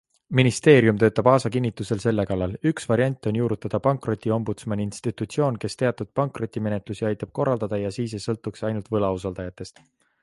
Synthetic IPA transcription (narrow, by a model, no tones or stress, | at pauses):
minist̪e̞ːɾjumt̪ø̞ːt̪ːˑɑb̥ɑːsɑkinʲːit̪ːˑuse̞lse̞lːe̞kɑlːɑlyksvɑɾiɑnʲt̪ːˑo̞njuːɾut̪ːˑɑd̪̥ɑpɑŋkˑro̞t̪ʲːˑio̞mbut̪smɑnʲiinst̪it̪ˑut̪sio̞ːnke̞st̪e̞ɑt̪ːˑud̪̥̚pɑŋkˑro̞t̪ʲːˑime̞ne̞t̪ˑlusiɑjt̪ːˑɑb̥̚ko̞rːɑld̪̥ɑd̪̥ɑjɑsiːs̬esɤlt̪ːˑuksɑjnult̪vɤlɑus̬ɑld̪ɑjɑt̪ːˑe̞st̪